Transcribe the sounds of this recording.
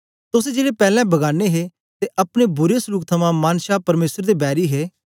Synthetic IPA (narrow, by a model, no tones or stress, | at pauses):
t̪ʊs̬ed͡ʒeːlepɛːlɛ̃bɐɡaːneɦe | t̪eʔɐpɽ̃ebʊɾesʊluːkt̪ʰɐmãmaːnʃaːpɐɾmeːsəɾd̪ebɛːɾiɦeː